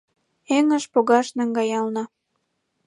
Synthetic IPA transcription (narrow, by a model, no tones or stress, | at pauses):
eŋə̆ʃpoɣɑʃnɑŋɡɑjɑlnɑ